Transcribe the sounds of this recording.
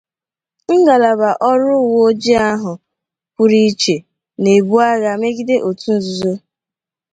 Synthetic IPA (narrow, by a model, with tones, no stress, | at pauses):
ŋ̩˦ɡa˨la˨ba˨ʔɔ˦ɾʊ˦˨wo˦d͡ʒi˦a˦ɦʊ˨ | ku˦ɾi˦t͡ʃe˨ | ne˨bu˦a˦ɣa˨me˦ɡi˦de˦ʔo˨tu˦n̩˨zu˨zo˦